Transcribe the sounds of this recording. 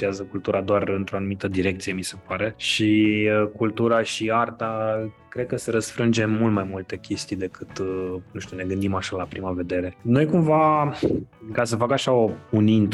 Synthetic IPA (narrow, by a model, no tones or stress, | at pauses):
iazəkult̪uɾad̪oarɨnt̪ɾo̞anumit̪əd̪iɾek̚t̪sije̞mise̞paɾe̞ʃikult̪uɾaʃiart̪akɾe̞d̪̚kəse̞ɾəsfɾɨnd͡ʒe̞mmult̪majmult̪e̞kʲe̞st̪ijd̪e̞kʰɨt̪nuʃt̪ʲune̞ɡɨnd̪imaʃalapɾimave̞d̪e̞ɾe̞no̞jkumva | kasəfakaʃao̞unint̪